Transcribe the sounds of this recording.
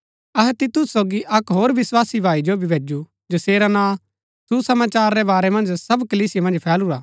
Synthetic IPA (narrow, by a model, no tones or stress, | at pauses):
ɐɦɛt̪ɪt̪ʊsːoːɡiʔɐkɦoːɾʋɪswaːsibʱaːid͡ʒobʱibʱeːd͡ʒu | d͡ʒɐseːɾanãː | susɐmaːt͡ʃaːɾːɛbaːɾɛmɐ̃nd͡ʒsɐbkɐliːsɪjamɐ̃nd͡ʒpʰɛːluɾaː